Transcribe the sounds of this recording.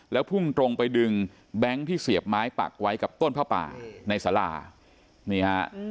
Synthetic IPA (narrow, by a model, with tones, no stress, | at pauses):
lɛː˦˥wpʰu˥˩ŋt̪ɾo˧ŋpa˧jdɯ˧ŋ | bɛ˦˥ŋt̪ʰiː˥˩si˨˩əp̚maː˦˥jpa̰˨˩k̚wa˦˥jka˨˩p̚t̪o˥˩npʰaː˥˩pa̰ː˨˩na˧jsaː˩˦la̰ː˧˩ | ni˦˥ɐ